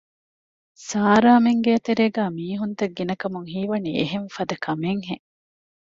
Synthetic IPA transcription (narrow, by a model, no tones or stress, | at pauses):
saːɾaːmeŋɡeɐt̪eɾeːɡæːmiːɦunt̪ɐɡːinɐkɐmuŋɦiːʋɐnieɦeɱfɐd̪ɐkʰɐmeŋɦeŋ